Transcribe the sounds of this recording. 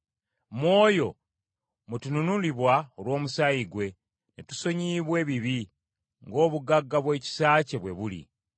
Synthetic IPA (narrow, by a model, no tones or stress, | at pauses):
mwo̞ːjo̞ | mutununuliβwaolwo̞ːmusaiɡwe̞ | nitu̥so̞ɲiːβwe̞ːβiβi | ŋɡo̞ːβuɡaɡːaβwe̞ːci̥saːce̞βwe̞βulḭ